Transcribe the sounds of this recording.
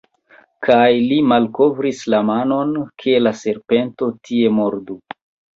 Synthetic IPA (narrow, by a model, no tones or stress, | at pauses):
kajlimalko̞vɾislamano̞nkʰe̞lase̞ɾpe̞nto̞tʰie̞mo̞ɾdu